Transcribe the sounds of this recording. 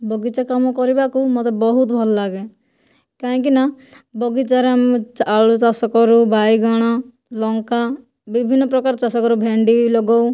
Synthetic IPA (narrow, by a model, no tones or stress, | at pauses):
bʱɔɡit͡ʃakamɔkɔɾibakumɔt̪ebɔɦut̪̚bʱɔlɔlaɡe | kaɦĩkina | bɔɡit͡ʃaɾamt͡ʃaɭt͡ʃasɔkɔɾubajɡaɽ̃a | lɔŋka | bibʱinːɔpɾɔkaɾt͡ʃasakɔɾubʱeɳɖilɔɡɔw